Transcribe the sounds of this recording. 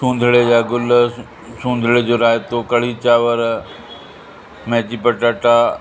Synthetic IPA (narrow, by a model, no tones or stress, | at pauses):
sũːn̆d̪ʱɪɽejaːɡʊl | sũːnd̪ʱɽed͡ʑoːɾaːjt̪okɐɽ̤it͡ɕaːʋəɾ | mɛ̃ːt͡ɕipɐʈaʈaː